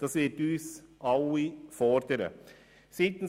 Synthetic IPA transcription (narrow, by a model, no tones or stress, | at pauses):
d̥ɑsʋɪtyːsʔɑʊifɔɾd̪əɾə̰ | siːt̪n̩